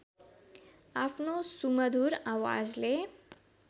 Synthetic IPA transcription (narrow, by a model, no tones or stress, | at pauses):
apnosuməd̪ʱuːɾaʋa̰d͡ʒle